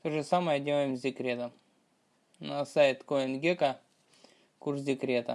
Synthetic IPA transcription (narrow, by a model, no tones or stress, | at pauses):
t̪oʐɨsaməjədʲelˠəjɪmzʲɪkɾʲet̪ə | nɐsajt̪koɛnɡʲeka | kurs̬dʲɪkɾʲe̞t̪ə̰